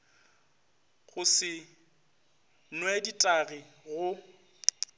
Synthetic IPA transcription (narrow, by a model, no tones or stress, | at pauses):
ɣʊsɪ | nwɛditʼaɣi | ɣʊ